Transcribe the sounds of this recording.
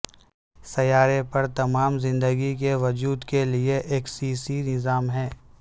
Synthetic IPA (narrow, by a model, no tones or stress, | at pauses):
sɐjaːɾepɐɾt̪ɐmaːmzɪ̃nd̪əɡikeʋɐd͡ʒuːd̪kelieʔeːksiːsinɪzaːmɦɛ̃ː